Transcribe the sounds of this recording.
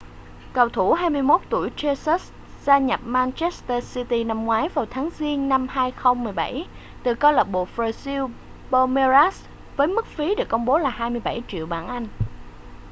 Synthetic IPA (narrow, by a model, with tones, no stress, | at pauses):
kə˨˩wt̪ʰu˧˩ɦaː˧jmɨ˧əjmo˦˥t̚t̪ṵ˧˩əjt͡ɕe˧sə˦˥s | zaː˧ɲə˨˩p̚maː˧nt͡ɕɛ˦˥st̪əː˧si˧t̪i˧na˧mŋwaː˨˦jvaː˨˩wt̪ʰaː˨˦ŋzi˧ənna˧mhaː˧jxə˧wŋ͡mmɨ˨˩jɓa̰˧˩j | t̪ɨ˨˩kɔ˧lə˨˩p̚ɓo̰˨˩fɾa˧si˧w | ɓə˧me˧za˦˥s | vəː˨˦jmɨ˦˥k̚fi˨˦ɗɨ˨˩əkːə˧wŋ͡mɓo˨˦laː˨˩haː˧jmɨ˧əjɓa˧˩jt͡ɕḭ˧˨əwɓaː˧˩nʔa˧jŋ̟